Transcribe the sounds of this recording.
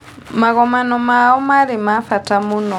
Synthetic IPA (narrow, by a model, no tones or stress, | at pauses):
maɣɔmanɔmaɔmaɾemafatamunɔ